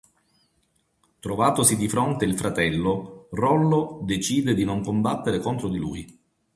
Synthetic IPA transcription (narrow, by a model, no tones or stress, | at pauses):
t̪ɾovaːt̪osid̪ifɾont̪eilfɾat̪ɛlːorɔlːod̪et͡ʃiːd̪ed̪inoŋkombat̪ːeɾekont̪ɾod̪ilṵːj